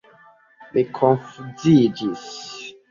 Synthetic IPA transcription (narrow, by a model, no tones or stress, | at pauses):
mikʰõnfuzid͡ʒis